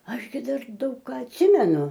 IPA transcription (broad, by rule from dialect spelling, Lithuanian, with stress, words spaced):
ˈɐʃ ɡʲɪ ˈdɐr ˈdɐʊk ˈkɑː ɐtʲˈsʲɪmʲɛnʊ